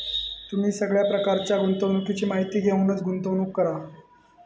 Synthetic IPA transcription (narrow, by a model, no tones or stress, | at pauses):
t̪um̤iːsəɡɭjapɾəkaɾt͡ɕjaɡunt̪əʋnukit͡ɕiːmaɦit̪iːɡʱeunət͡sɡʱunt̪əʋnuːkːəɾa